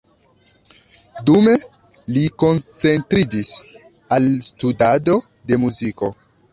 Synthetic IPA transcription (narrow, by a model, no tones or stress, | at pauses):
dume̞ | liko̞nt͡se̞ntɾid͡ʒis | alstudado̞ | de̞muziko̞